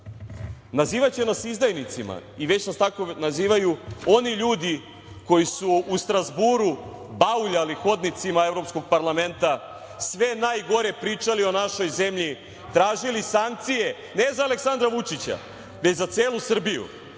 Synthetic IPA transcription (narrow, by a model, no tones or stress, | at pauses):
naziːʋat͡ɕenasizd̪ajnit̪sima̰iʋe̞t͡ɕnast̪ako̞naziːʋajuo̞niʎuːd̪i | ko̞jisuːst̪ɾazbuɾu | bauʎalixo̞d̪nit̪simae̞vɾo̞psko̞ɡ̚paɾlˠame̞nt̪a | sʋe̞naːjɡo̞ɾe̞pɾiːt͡ʂalio̞naʃo̞jze̞mʎi | t̪ɾaːʒilisaŋk̚t̪sije̞ | ne̞zaːle̞ksand̪ɾaʋut͡ʃit͡ɕa̰ | ʋe̞t͡ɕzat̪se̞ːlˠusr̩bijṵ